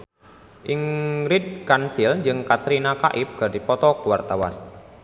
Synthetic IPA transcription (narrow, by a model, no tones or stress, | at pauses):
ʔiŋɾid̪̚kansɪld͡ʒɨŋkat̪ɾinaka̰ʔɪp̚ɡ̥a̤dipɔt̪ɔkuwart̪awa̰n